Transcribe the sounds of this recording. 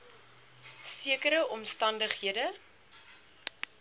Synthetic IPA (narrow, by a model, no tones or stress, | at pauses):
siəkəɾəʔɔmstɐndəχɦiədə